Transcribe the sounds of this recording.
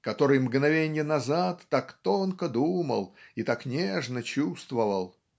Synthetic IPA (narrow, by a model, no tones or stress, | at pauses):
kɐt̪o̞ɾɨjmɡnɐvʲenʲjənɐzat̪ːakt̪onkəd̪umə̰lˠit̪aknʲeʐnət͡ɕust̪vəvəlˠ